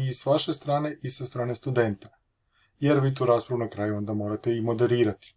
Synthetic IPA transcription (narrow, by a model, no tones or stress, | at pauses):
isʋaʃe̞st̪ɾaːne̞ʔisast̪ɾaːnest̪ud̪e̞nt̪ḁ | je̞ɾʋiːt̪̬uɾaːspɾaʋunakɾaːjuo̞nd̪amo̞ːɾat̪e̞imo̞d̪e̞ɾiːɾat̪i̥